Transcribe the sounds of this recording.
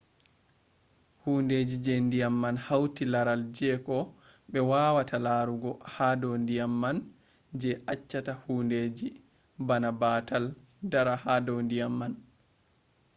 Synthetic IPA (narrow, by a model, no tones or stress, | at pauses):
hunded͡ʒid͡ʒendijamːanhawtilaɾald͡ʒɛkɔɓɛwaːwatʰalaːɾuɡɔhadɔndijamːan | d͡ʒɛʔat͡ʃːatahuːnded͡ʒi | banabatal | daɾahadondijamːan